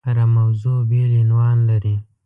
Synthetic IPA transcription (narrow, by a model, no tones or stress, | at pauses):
ɾamawzobelɪnwɑnlaɾi